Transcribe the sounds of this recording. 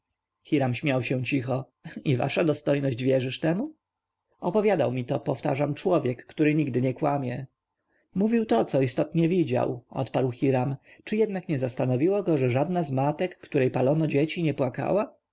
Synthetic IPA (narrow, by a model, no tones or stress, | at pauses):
xʲiɾamɕmʲjawɕɛ̃t͡ɕixɔ | iva̰ʂad̪ɔst̪ɔjnɔʑd͡ʑvʲjɛʐɘʂt̪ɛmu | ɔpɔvʲjad̪awmʲit̪ɔpɔft̪aʐamt͡ʂwɔvʲjɛkːt̪uɾɘɲiɡd̪ɘɲɛkwamʲjɛ | muvʲiwt̪ɔt̪sɔist̪ɔt̪ɲɛvʲid͡ʑa̰wɔ̰t̪paɾwxʲiɾamt͡ʂɘjɛd̪nakɲɛzast̪anɔvʲiwɔɡɔʐɛʐad̪nazmat̪ɛkːt̪uɾɛjpalɔnɔd͡ʑet͡ɕiɲɛpwaka̰wa